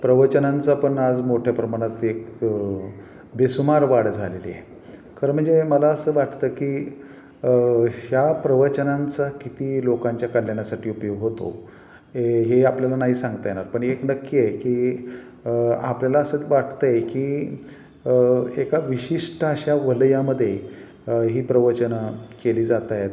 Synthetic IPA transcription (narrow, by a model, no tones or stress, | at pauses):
pɾəʋət͡ɕənãnt͡sapəɳad͡zmoʈʰjapɾəmaɽ̃ət̪ek | besumaɾʋaɽd͡zʱalel̰jḛ | kəɾm̤əɳd͡zeməlaəsəːʋaʈʰt̪əːkiː | hjapɾəʋət͡ɕənant͡sakit̪iːlokãɲt͡ɕjakəljaɳjasaʈʰiːupjoɡɦot̪o̰ | eɦeapljalanaɦiːsãŋɡt̪əjenaɾpəɳeknəkːiekiː | a̰pljalaəsət͡sʋaʈ̚ʰt̪əjekiː | ekaʋiɕiʂʈəəɕaʋəljaməd̪ʱːje | ɦiːpɾəʋət͡ɕənəkeliːd͡zat̪ajet̪